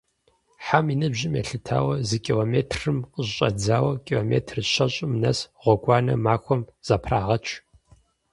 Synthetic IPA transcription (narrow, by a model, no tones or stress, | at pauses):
ħaminɨbʑɪmjɛ̰ɬɨtʰa̰ːwɐzɨkʼilomeːtʰrɨmqʼəʑɕʼɐd͡zaːwɐkʼiloːmḛːtʰrɨɕɐɕʼɪmnɐsʁʷɔɡʷɑːnɐ̰maːkʷɔmz̥aːpʰraːʁɐt͡ʃʰ